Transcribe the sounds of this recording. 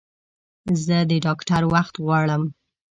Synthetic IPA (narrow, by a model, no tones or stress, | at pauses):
zəd̪əɖɑkʈaɾwaxt̪ɣwɑɽəm